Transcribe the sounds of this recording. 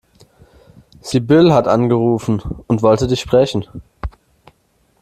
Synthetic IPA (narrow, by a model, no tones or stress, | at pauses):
z̥iːbɪlɦatʔanɡəʁuːfn̩ʊntv̥ɔltədɪçʃpʁ̥ɛçn̩